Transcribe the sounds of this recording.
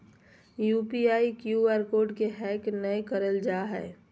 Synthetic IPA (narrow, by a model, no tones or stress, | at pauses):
juːpiaːikjuaːɾkoːɾɖkeɦɛːknəkəɾəld͡ʒaːɦɛ̰ː